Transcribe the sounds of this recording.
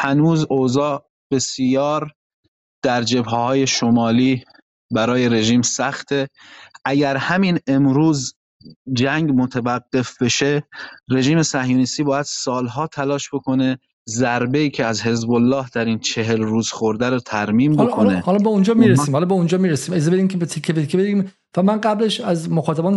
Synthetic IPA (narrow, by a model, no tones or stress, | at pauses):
hænuːzozɒː | b̥e̞sijɒːɾ | d̪̥æɾd͡ʒe̞bhehɒːje̞ʃo̞mɒːliː | bæɾɒːje̞ɾe̞ʒiːmsæxt̪ʰe̞ʔæɟæɾhæmine̞mɾuːz | d͡ʒæŋɡmot̪ʰævæɡːe̞fbe̞ʃe̞re̞ʒiːme̞sæhjuːnist̪iːbɒːjæd̪̥sɒːlɦɒːt̪ʰælɒːʃb̥e̞kʰo̞ne̞ | zæɾbe̞iːcʰeæzhe̞zbolːɒːhd̪æɾiːnt͡ʃʰe̞ɦe̞lɾuːz̥xoɾd̪æɾot̪ʰæɾmiːmbolkʰonehɒlɒbeund͡ʒɒːmiɾesiːmhɒlɒbeund͡ʒɒːmiːɾesiːmezebeiːmcʰebet̪ʰekʰːebeikʰːebedɾiːm | væmænɢæbleʃæzmoxɒːt̪ʰæbɒːn